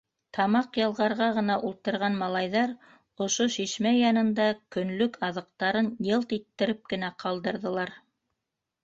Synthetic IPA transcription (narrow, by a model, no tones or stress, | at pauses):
t̪ʰɑmɑqjɑlˠʁɑɾʁɑʁɤ̆nɑʔulˠt̪ɤ̆ɾʁɑnmɑlˠɑjðɑɾ | ŏʃoʃiʃmæjɑnɤ̆nd̪ɑkɵ̆nlɵkʰɑðɤ̆q̚t̪ɑɾɤnjɤlˠt̪it̪ːɘ̆ɾɘp̚kɘ̆næqʰɑlˠd̪ɤ̆ɾðɤ̆lˠɑɾ